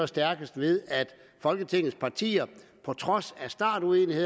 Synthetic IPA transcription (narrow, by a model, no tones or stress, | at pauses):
ɒsd̥æɐɡ̥əsd̥ʋe̝ð̞ˠæd̥ | fɒ̽lɡ̥ət͡sʰe̝ŋð̩ˠspʰɑ̈t͡sʰḭːɐpʰɒ̽t͡sʰʁɒ̽sæsd̥ɑ̰̈ːd̥uenihe̝ð